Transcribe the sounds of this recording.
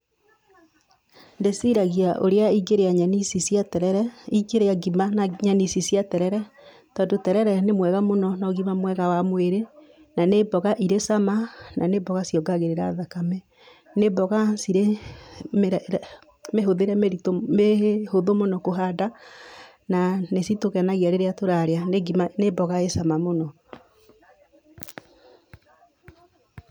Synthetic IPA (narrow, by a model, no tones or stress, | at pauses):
ndesiɾaɣiaʔo̰ɾeaiɡeɾeaɲanisisiatɛɾɛɾɛiɡeɾeaɡimanaɲanisisiatɛɾɛɾɛ | tɔːndotɛɾɛɾɛnemwɛɣamonɔnɔɣimamwɛɣawamweɾe | nanebɔɣaʔiɾesamananebɔɣasijɔɡaɣeɾeɾaðakamɛ | nebɔɣasiɾe | mɾ | meɦoðeɾɛmeɾitomehoðomonɔkoɦada | nanesitoɣanaɣiaɾeɾeatoɾaɾeaneɡimanebɔɣaesamamonɔ